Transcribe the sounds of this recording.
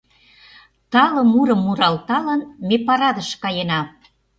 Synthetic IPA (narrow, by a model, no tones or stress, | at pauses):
t̪ɑlə̆muɾə̆mːuɾɑlt̪ɑlənmepɑɾɑd̪əʃkɑjenɑ